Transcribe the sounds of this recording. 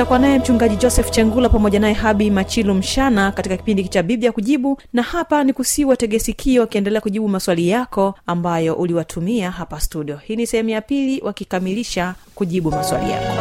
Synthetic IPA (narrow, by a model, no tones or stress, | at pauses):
akuanajɛm̩t͡ʃuŋɡaʄid͡ʒɔsɛft͡ʃɛŋɡulapamɔʄanaɛɦaɓimat͡ʃilɔm̩ʃanakatikaki̥pindikit͡ʃaɓiɓijakuʄiɓunahapanikusiwatɛɠɛsikʰiɔwakiɛndɛlɛakuʄiɓumaswalijakɔambajɔʔuliwatʰumiaɦapastuɗiɔhiːnisɛhɛmujapiliwʔakikamiliʃakuʄiɓumaswa̰lḭja̰kɔ